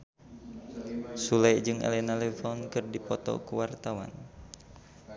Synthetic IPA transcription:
sulɛjd͡ʒɨŋɛ̰lɛnalɛfɔnkɨrdipɔt̪ɔ̰kəwart̪awa̰n

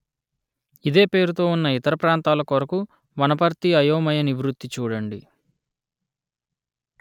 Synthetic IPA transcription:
id̪e̞ːpe̞ːɾut̪o̞ːunːɐit̪ɐɾɐpɾaːnt̪aːlɐkʋɐɾɐku | ʋɐnɐpɐɾt̪iɐjoːmɐjɐniʋɾut̪ːit͡ʃuːɽɐɳɖi

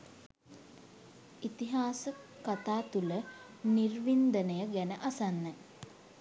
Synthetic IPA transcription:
it̪iɦaːsəkat̪aːt̪ulə | nirʋind̪ənəjəɡænəʔasanːə

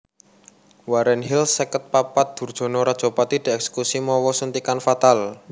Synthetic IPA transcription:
waɾɛnɦilsəkət̪̚papat̪̚d̪̥ṳrd̥ʒ̥ɔ̤noɾad̥ʒ̥ɔ̤pat̪iɖ̥ɛ̤ɛksə̥kusimɔwɔsənt̪ikanfat̪al

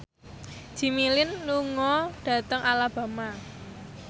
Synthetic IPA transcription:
ʒ̥i̤milɪnluŋɔɖ̥a̤t̪əŋʔalab̥a̤ma

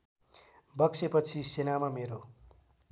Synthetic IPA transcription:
bʌkt͡sʰepʌt͡sʰisenamameɾo

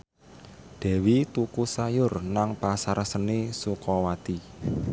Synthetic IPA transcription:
d̪̥ɛ̤wit̪ukusajʊrnaŋpasaɾsənesukɔwat̪i

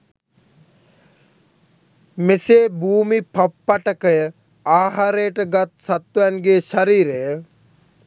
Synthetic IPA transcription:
meseːbʱuːmipapːaʈəkəjə | aːɦaɾejəʈəɡat̪̚sat̪ːuænɡeːʃaɾiːɾejə

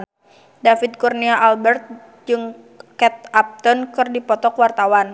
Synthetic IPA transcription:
dafid̪̚kurniaʔalbɛrt̪̚ | d͡ʒɨŋ | kɛt̪̚ap̚t̪ɔnkɨrdipɔt̪ɔkwart̪awan

